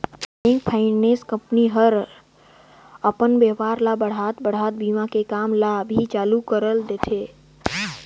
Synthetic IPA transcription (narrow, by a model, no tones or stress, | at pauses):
ẽːŋk̚pʰaɪneskə̃mpniɦəɾ | əpənbeːʋaːɾlabəɽ̤aːt̪bəɽ̤aːt̪̚biːmãkekaːmlabʱit͡ʃaːlukəɾəld̪eːt̪ʰeː